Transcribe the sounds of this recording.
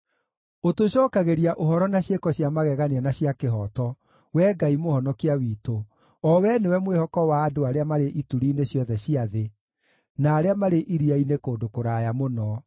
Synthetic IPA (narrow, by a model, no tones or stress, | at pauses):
otoɕɔːkaɣeɾiaʔoɦɔɾɔnaɕekɔɕjamaɣɛɣaneanaɕjakeɦɔtɔ | wɛːɡaimohɔnɔkiawiːto | ɔwɛnewɛmwehɔkɔwaːdoaɾeamaɾeʔituɾiːneɕjɔðɛɕiaðe | naːɾeamaɾeʔiɾiainekoːdokoɾaːjamonɔ